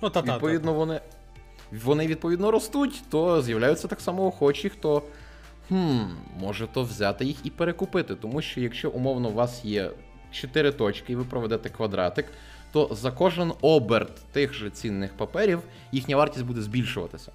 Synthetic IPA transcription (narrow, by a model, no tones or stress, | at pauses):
ʋipɔʋʲid̪nɔʋɔnɪ | ʋɔnɪʋʲid̪̚pɔʋʲid̪nɔɾɔst̪utʲt̪ɔzjɐwlʲajʊt͡sʲːɐt̪ɑksɑmɔɔxɔt͡ʃʲixt̪ɔ | hm̩mɔʒɛt̪ɔwzʲat̪ɪjixipeɾekʊpɪt̪ɪt̪ɔmuʃt͡ʃɔjɐkʃt͡ʃɔʔʊmɔwnɔwʋɑsjɛ̰ | t͡ʃet̪ɪɾɪt̪ɔt͡ʃkɪiʋɪpɾɔʋɛd̪ɛt̪ɛkʋɐd̪ɾɑ̰t̪ɪk | t̪ɔzɐkɔʒɪnɔbert̪ːɪxʒɛt͡sʲinːɪxpɐpɛɾʲiw | jixnʲɐʋɑrtʲisʲtʲbud̪ɛzʲbʲilʲʃʊʋɐ̰t̪ɪsʲɐ̥